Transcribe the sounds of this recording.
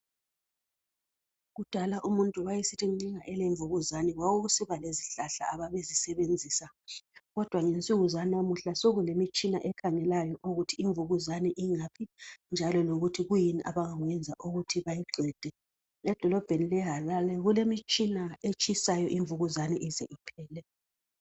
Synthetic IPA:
ɣud̥ʱalaʔumuntʼuwajesitʰiŋ͡ǀiŋaʔɛleɱvuɣuzaniɣwaɣuɣusiβaleziɬaɬa̰ːβaβezisɛβend͡zʱiːsa | ɣɔd̥ʱwaŋent͡sʼuɣuzanamuɬasoɣulemit͡ʃʼina̰ʔɛkʰaŋɛlajɔʔuɣutʰiiɱvuɣuzaniʔiŋapʰind͡ʒʱalɔloɣutʰiɣujiniʔa̰βaŋaɣwɛnd͡zʱaʔuɣutʰiβajiɡ͡ǀʱwɛːd̥ʱɛ | ɛd̥ʱɔlɔb̥ʱenilɛɦalalɛɣulemit͡ʃʼinaet͡ʃʼisajɔʔiɱvuɣuzaniʔizɛʔipʰɛːlɛ

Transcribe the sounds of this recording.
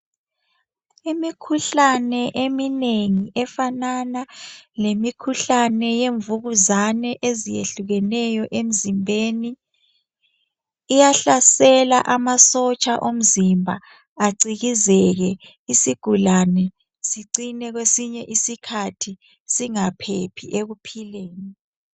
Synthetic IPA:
imikʰuɬanɛʔemineŋiʔɛfananalemikʰuɬanɛjeɱvuɣuzanɛʔezijḛɬuɣɛnɛjɔʔem̩zimbʱeni | jaɬasɛla̰ʔamasɔt͡ʃʼaʔom̩zimbʱa̰ː | ǀiɣizɛɣɛ | isiɡ̥ʱulanɛ | siǀinɛɣwesiɲɛʔisikʰatʰi | siŋapʰepʰiʔeɣupʰileːni

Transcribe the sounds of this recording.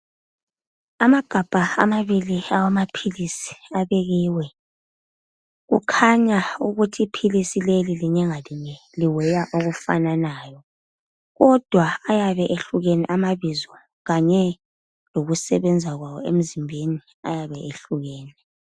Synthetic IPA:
amaɡ̥ʱab̥ʱaa̰maβiliawamapʰilisi̥aβeɣiːwɛ | ɣṵkʰaɲauɣutʰiːpʰilisileliliɲɛŋaliɲɛ | liwɛjaʔoɣufa̰nanaːjɔ | ɣɔd̥ʱwaːjaβɛʔeɬuɣɛnɛʔamaβizɔ | ɣaɲɛ | loɣusɛβɛnd͡zʱaɣwawɔem̩zimbʱeni | a̰jaβɛʔeɬuɣɛːnɛ

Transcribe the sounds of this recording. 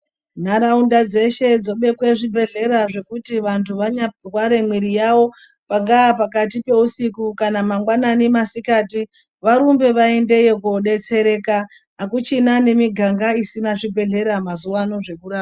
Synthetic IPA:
n̤aɾaundad͡ze̞ʃe̞d͡zo̞ɓe̞kwe̞ʐibʱe̞ɮe̞ɾaʐe̞kutiʋantʰuʋaɲarwaɾe̞mwiɾijawo̞ | paŋɡaːpakatipe̞usikukanamaŋɡwananemasikaːti | ʋaɾumbe̞ʋaende̞jekoɗe̞t͡se̞ɾe̞ːkaː | kut͡ʃinane̞miɡʱaŋɡaisinaʐibʱe̞ɮe̞ɾamazuwano̞ʐe̞kuɾaːa

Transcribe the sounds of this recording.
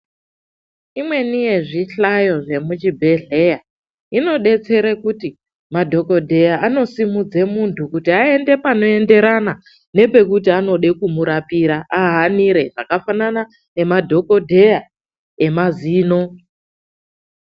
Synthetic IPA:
imwe̞nije̞ʐiɬajo̞ʐe̞mut͡ʃibʱe̞ɮe̞ja | ino̞ɗe̞t͡se̞ɾekuti | madʱo̞ko̞dʱe̞jaʔano̞simud͡ze̞muntʰukutiae̞nde̞pano̞e̞nde̞ɾana | ne̞pe̞kutiano̞ɗe̞kumuɾapiɾaʔaɦaniɾe̞ʐakafanana | ne̞madʱo̞ko̞dʱe̞ja | emaziːno̞

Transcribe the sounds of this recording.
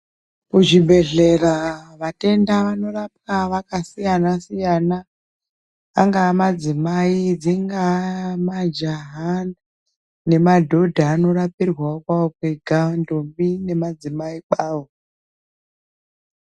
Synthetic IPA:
kuʐibʱe̞ɮe̞raʋate̞ndaʋano̞rap̚kaʋakasijanasijana | a̰ŋɡaːmad͡zimaid͡ziŋɡamad͡ʒaɦan | ne̞madʱo̞dʱaːno̞rapirwakwaokweɡʱandombine̞mad͡zimaiɓaːwo

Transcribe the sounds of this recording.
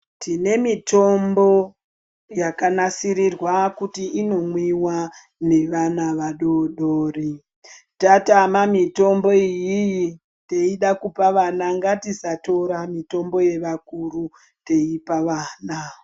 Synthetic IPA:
tine̞mito̞mbo̞ | jakanasirirwakutiino̞mwiwa | ne̞ʋanaʋaɗoɗoːri | tatamamito̞mbo̞ijiji | te̞iɗakupaʋanaŋɡatisato̞ɾamito̞mbo̞je̞ʋakuru | te̞ipaʋaːna

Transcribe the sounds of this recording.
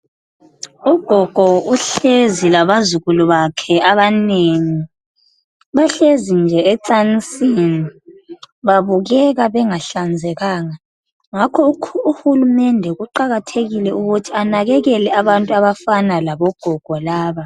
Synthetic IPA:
uɡ̥ʱɔɡ̥ʱɔuɬezilaβazuɣulɔβakʰɛaβaneːŋi | βaɬezind͡ʒʱɛɛǀant͡sʼini | βaβuɣɛɣaβɛŋaɬand͡zʱɛɣaːŋa | ŋakʰɔuuxulumɛndʱɛɣuǃaɣatʰeɣilɛuɣutʰianaɣɛɣɛlɛaβantʼuaβafanalaβɔɡ̥ʱɔɡ̥ʱɔlaːβa

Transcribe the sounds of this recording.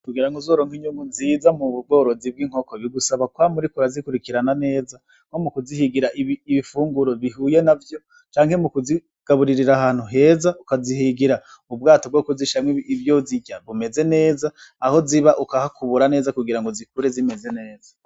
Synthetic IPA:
kuɡiɾaŋɡozoːɾo̞ːŋɡiɲumunzizamuβubɡo̞ːɾo̞zib̚ɡiːŋ̥ho̞koβiɡusaβakwamuɾikuɾazikuɾikiɾanane̞ːza | ŋ̥o̞mukuzihiɡiɾaʔiβifuːŋɡuɾo̞βihuːje̞navjo̞ | t͡ʃaːŋ̥he̞mukuzi | ɡ̥aβuɾiɾiɾahaːn̥huɦe̞ːzaukaziɦiɡiɾa | ub̚ɡaːtob̚ɡo̞ːkuziʃamwiivjoziɟaβume̞ze̞ne̞ːzaːho̞ziβaʔukahakuβuɾane̞ːzakuɡiɾaŋɡozikuɾezime̞ze̞ne̞ːza

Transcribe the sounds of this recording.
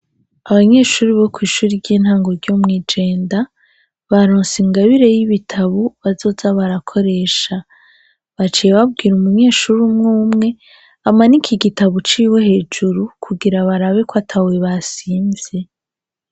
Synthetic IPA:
aβaɲe̞ːʃuːɾiβo̞kwiːʃuːɾiɾɟiːn̥haːŋɡo̞ɾɟomŋiːd͡ʒe̞ːnda | βaɾoːnsiŋɡaβiɾe̞jiβitʰaβuβazo̞ːzaβaɾakʰo̞ɾe̞ːʃa | βat͡ʃijeβab̚ɡiːɾumuɲe̞ːʃuɾumŋuːmŋe̞ | amanikʰiɡitaβut͡ʃiːwe̞he̞ːd͡ʒuɾukʰuɡiɾaβaɾaβekwatʰaweβasiːnzje̞

